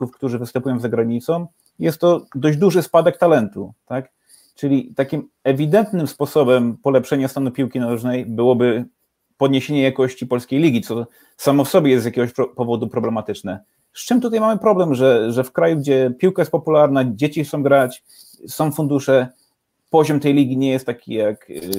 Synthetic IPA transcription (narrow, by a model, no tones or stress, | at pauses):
ufkt̪uʐɘvɘst̪ɛmpujɔ̃w̃zaɡɾaɲit̪sɔ̃w̃ | jɛst̪ːɔd̪ɔʑd͡ʑd̪uʐɘspad̪ɛk̚t̪alɛnt̪ut̪ak | t͡ʂɘlʲit̪akʲim | ɛvʲid̪ɛnt̪nɘmspɔsɔbɛmpɔlɛpʂɛɲast̪anupʲiwkʲinalɛʐnɛjbɘwɔbɘ | pɔd̪ɲeɕeɲɛjakɔɕt͡ɕipɔlskʲejlʲiɡʲit̪sɔ | samɔfsɔbʲjɛjɛsjakʲɛɡɔɕpɔvɔd̪upɾɔblɛmat̪ɘt͡ʂnɛ | ʂt͡ʂɛmt̪ut̪ajmamɘpɾɔblɛmʐɛʐɛfkɾajuɡd͡ʑɛpʲiwkajɛst̪̚pɔpulaɾnad͡ʑet͡ɕixt̪ɔ̃w̃ɡɾat͡ɕ | sɔ̃w̃fund̪uʂɛ | pɔʑɔmt̪ɛjlʲiɡʲiɲɛjɛst̪ːakʲijak